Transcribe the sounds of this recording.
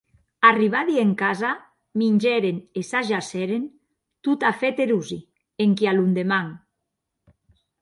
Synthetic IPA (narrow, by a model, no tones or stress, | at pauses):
ariβ̞aðieŋkaza | minʲd͡ʒɛɾenesaʒasɛɾen | t̪ut̪afet̪eɾuzi | eŋkialund̪emaŋ